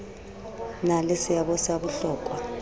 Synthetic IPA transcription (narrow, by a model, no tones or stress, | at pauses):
nalesijaɓɔsaɓuɬɔːkʼwa